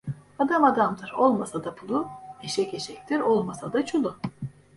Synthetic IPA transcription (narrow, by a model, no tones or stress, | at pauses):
ad̪amad̪amd̪ɯɾo̞lˠmasad̪apʰulˠueʃɛceʃɛc̚ʲt̪ʰiɾo̞lˠmasad̪at͡ʃʰulˠu